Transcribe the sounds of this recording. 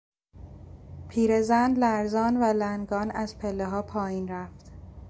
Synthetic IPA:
pʰiːɾezænd̪læɾzɒːnvælænɡɒːnæzpʰelːeɦɒːpʰɒːjiːnɾæft̪

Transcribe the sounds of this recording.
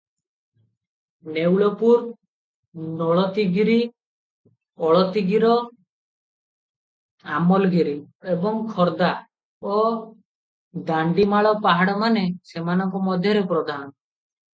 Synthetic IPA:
newɭɔpuɾ | nɔɭɔt̪iɡiɾi | ɔɭɔt̪iɡiɾɔ | amɔlɡiɾi | ebɔŋkʰɔɾd̪a | ɔ | d̪aɳɖimaɭɔpaɦaɽɔmanesemanɔŋkɔmɔd̪ʱjɔɾepɾɔd̪ʱanɔ

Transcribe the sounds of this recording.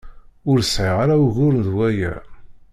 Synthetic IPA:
ʊɾsʕɪʁaɾauɣʊɾənðwæjæ̰

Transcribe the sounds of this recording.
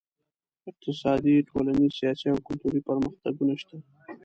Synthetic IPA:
ɪq̚t̪ɪsɑd̪iʈʰolanizsjɑsiawkʊlt̪uɾipəɾməxt̪aɡunaʃt̪a

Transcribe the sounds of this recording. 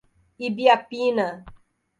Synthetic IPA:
ibiapina

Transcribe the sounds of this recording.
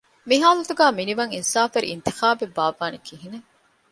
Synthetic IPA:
miɦaːlɐt̪uɡæːminiʋɐŋinsaːfeɾḭʔḭnt̪ixaːbebːaːʋaːnikiɦine

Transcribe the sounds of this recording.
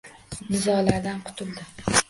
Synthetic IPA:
nɪzɒlaɾd̪anqʰʊ̥t̪ʰʊld̪ɪ

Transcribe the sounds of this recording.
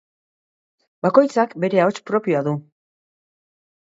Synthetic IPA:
bako̞jt͡sakbe̞ɾe̞ao̞t͡ʃpɾo̞pioaðu

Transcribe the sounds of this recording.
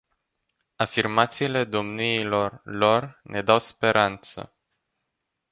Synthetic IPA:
afirmat̪siːle̞d̪o̞mniːlo̞rlo̞rnʔe̞d̪awspe̞ɾʔant̪sə̰

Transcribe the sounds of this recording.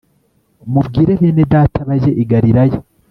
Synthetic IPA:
mubɡiːɾeβjenedaːtaβaʒe̞ʔiɡaɾiɾaje

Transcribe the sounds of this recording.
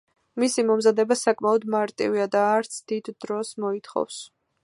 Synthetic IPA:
misimɔmzad̪ɛbasakʼmaɔd̪maɾt̪ʼḭviad̪aːɾt̪sʰd̪̥id̪ːɾɔsmɔit̪χɔ̰vs

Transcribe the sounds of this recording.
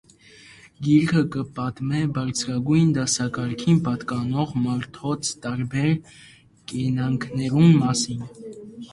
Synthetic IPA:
ɡiɾkʰəkəpɑt̪mɛbɑɾt͡sʰɾɑɡujnd̪ɑsɑkɑɾkʰinpɑt̪kɑnɔʁmɑɾt̪ʰɔt͡sʰt̪ɑɾbɛɾ | kɛnɑŋkʰnɛɾunmɑsin

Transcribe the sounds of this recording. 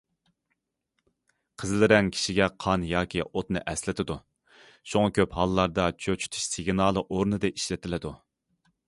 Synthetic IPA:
qʰəzlɪɾɛŋkʲʰi̥ʃiɡʲɛqʰɑnjɑːkʲʰiot̪nɨ̰ʔɛslɪt̪ʰɪd̪u | ʃuŋɑkʲʰøphɑlˠlːˠɑɾd̪ɑt͡ʃʰøt͡ʃʰy̥t̪ʰu̥ʃsɪɡʲnɑːlˠɨʔoɾnɨd̪ɨiʃlɪt̪ʰɪlɪd̪u

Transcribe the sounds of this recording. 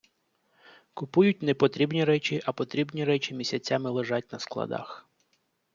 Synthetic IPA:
kʊpujʊtʲnɛpɔt̪ɾʲibnʲiɾɛt͡ʃʲiʔɐpɔt̪ɾʲibnʲiɾɛt͡ʃʲimʲisʲɐt͡sʲamɪlˠeʒɑtʲnɐsklˠɐ̰d̪ɑ̰x

